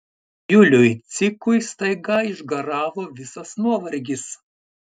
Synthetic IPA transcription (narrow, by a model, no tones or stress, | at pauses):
jʊlʲʊjt̪sʲɪkʊjst̪ɐɪɡɑɪʒɡɐɾɑːʋoːʋʲɪsɐsnuɔʋɐɾʲɡʲɪs